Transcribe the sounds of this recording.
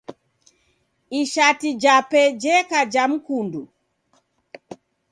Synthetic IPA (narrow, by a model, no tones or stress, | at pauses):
iʃatid͡ʒapɛd͡ʒɛkad͡ʒam̩kundu